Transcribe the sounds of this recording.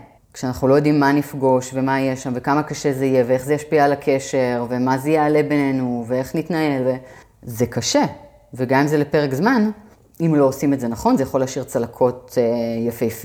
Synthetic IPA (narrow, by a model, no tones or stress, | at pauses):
kʃeanaχnulojod̪imːanifɡo̞ʃve̞maijeʃamve̞kamakaʃezeijevee̞χzejaʃpiaːlakʰe̞ʃe̞ʁve̞mazejeːle̞be̞ne̞nuvee̞χnitnae̞lve | zekaʃe̞ | veɡamimzelepe̞ʁekzman | imlo̞osimetze̞naχo̞nzejaχo̞leaʃiʁt͡salakʰo̞tjafejfi